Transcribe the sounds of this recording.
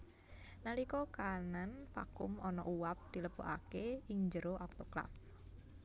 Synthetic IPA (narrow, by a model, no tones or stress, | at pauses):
nalikɔkananfa̰kʊ̰mɔnɔ̰ʔuwap̚d̪̥i̤ləb̥oʔakeɪŋɲd͡ʒəɾoʔɔk̚t̪okla̰f